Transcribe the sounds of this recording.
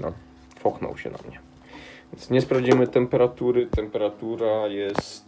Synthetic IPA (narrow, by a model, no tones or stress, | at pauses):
na̰ | fɔxnɔ̰wɕɛ̰na̰mɲɛ̥ | ɛnt̪sɲɛspɾavd͡ʑimɘt̪ɛmpɛɾat̪uɾɘt̪ɛmpɛɾat̪uɾajɛst̪